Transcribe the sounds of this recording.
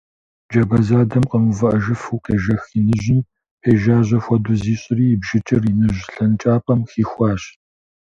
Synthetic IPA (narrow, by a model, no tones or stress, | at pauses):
d͡ʒɐbɐzaːdɐmqəmɨvɐʔɐʒɨfuːqeːʒɐxinɨʑɪn | peːʒaːʑʷɐxʷɔduziːɕʼɪriːbʒɪt͡ʃʰʼɪrinɨʑɬɐnt͡ʃʼaːpʰʼɐmxiːxʷɑːɕ